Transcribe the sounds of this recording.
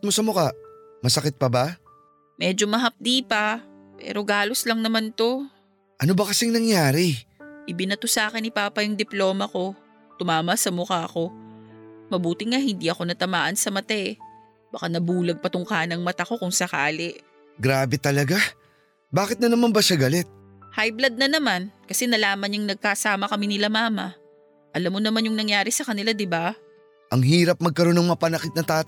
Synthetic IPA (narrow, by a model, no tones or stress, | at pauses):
t̪̚mosɐmʊkaʔmɐsɐkɪt̪̚pɐba | mɛːd͡ʒomɐɦɐp̚d̪iːpɐ | pɛ̰ːɾo̞ɡaːlo̞slɐŋnɐmant̪o̞ | ʔɐnobɐkɐsɪŋnɐŋjaːɾɪʔɪbɪnɐt̪osaːkɪnɪpaːpɐjʊŋd̪ɪplo̞ːmɐko̞ | t̪ʊmaːmɐsɐmʊkaʔɐko̞ | mɐbuːt̪ɪŋahɪnd̪iʔɐko̞nɐt̪ɐmaːʔɐnsɐmɐt̪aʔ | b̥ɐkanɐbuːlɐɡ̚pɐt̪ʊŋkaːnɐŋmɐt̪ɐko̞kʊŋsɐkaːlɪʔ | ɡɾaːbɛt̪ɐlɐɡa | baːkɪt̪nɐnɐmanbɐʃaɡɐlɛt̪̚ | hajblɐd̪̚nɐnɐmankɐsɛnɐlaːmɐnɲaŋnɐɡ̚kasaːmɐkɐmɪnɪlamaːmɐ | ʔɐlamːonɐmanjʊŋnɐŋjaːɾɪsɐkɐnɪlad̪ɪba | ʔɐŋɦiːɾɐp̚mɐɡ̚kɐɾo̞nɐŋmɐpɐnɐkɪt̪̚nɐt̪aːt̪